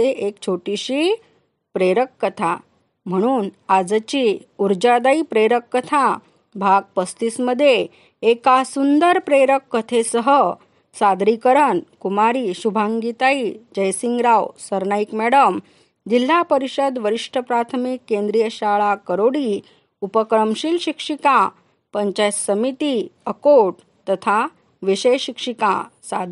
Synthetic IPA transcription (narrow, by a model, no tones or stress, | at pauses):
eekt͡ɕʰoʈiɕiː | pɾeɾəkːət̪ʰa | m̤əɽ̃uːnad͡zt͡ɕi | uɾd͡ʑad̪aipɾeɾəkːət̪ʰa | bʱaɡ̚pəst̪isməd̪ʱːjeː | kasund̪əɾpɾeɾəkːət̪ʰesəɦə | sad̪ɾikəɾəɳkumaɾiːɕubʱaŋɡit̪aiːd͡ʑəjsiŋɡɾawsəɾnaikmɛɽəm | d͡ʑil̤ːapəɾiɕəd̪ʋəɾiʂʈʰəpɾat̪ʰəmikːend̪ɾijəɕaɭakəɾoɽi | upəkɾəmɕilɕikʂikã | pəɲt͡ɕasəmit̪iəkoɖ | t̪ət̪ʰa | ʋiɕəjɕikʂikã̰sa̰d̪ʱ